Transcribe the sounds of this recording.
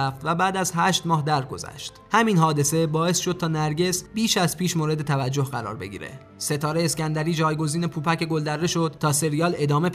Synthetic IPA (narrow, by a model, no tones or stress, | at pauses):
ft̪væbæːd̪æzɦæʃt̪mɒːhd̪æɾɡo̞̰zæ̰ʃt̪hæminɦɒːd̪e̞se̞bɒːe̞sʃo̞d̪̚t̪ʰɒːnæɾɟe̞sbiːʃæzpʰiːʃmoːɾe̞d̪et̪ʰævæd͡ʒːo̞hɢæɾɒ̰ːɾbe̞̰ɟḭːɾḛ | se̞t̪ʰɒːɾeescʲænd̪æɾiːd͡ʒɒːjɡo̞ziːnepʰuːpʰæceɡo̞ld̪æɾːe̞ʃod̪̚t̪ʰɒːse̞ɾijɒːle̞d̪ɒːme̞p